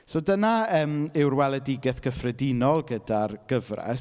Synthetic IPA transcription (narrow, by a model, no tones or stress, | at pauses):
sodənaəːmɪwrwɛlˠɛdɪɡɛθɡ̥əfrɛdɪnɔlˠɡədarɡ̥əvrɛ̰s